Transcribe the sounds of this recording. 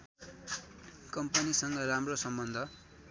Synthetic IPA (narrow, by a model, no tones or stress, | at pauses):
kʌmpʌnisʌŋɡʌramrosʌmbʌnd̪ʱʌ